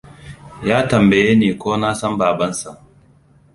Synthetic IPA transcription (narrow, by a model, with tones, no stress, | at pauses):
jaː˦tɐ˨mbɐ˨jeː˦neː˨kʷoː˦naː˦sɐ˦mbaː˨bɐ˦nsa˨ʔ